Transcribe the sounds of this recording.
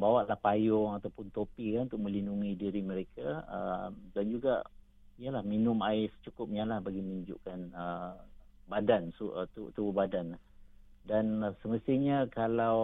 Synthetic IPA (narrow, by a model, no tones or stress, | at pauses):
bawaʔlahpajʊŋat̪awpʊnt̪opikanunt̪ʊk̚mə̃linuŋidiɾimə̃ɾekaəmdand͡ʒuɡa̰ | ijəlahminʊmaɪst͡ʃukʊp̚ɲalahbaɡiməiɲd͡ʒṵʔkanə | badansut̪ut̪ububadana | dansəməst̪iɲakalaw